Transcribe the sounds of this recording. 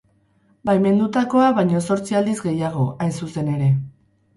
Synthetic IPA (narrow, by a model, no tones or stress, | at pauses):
bajme̞nd̪ut̪ako̞aβajɲo̞so̞ɾt͡siald̪izɡe̞jaɣ̞o̞ʔajnsuse̞ne̞ɾe̞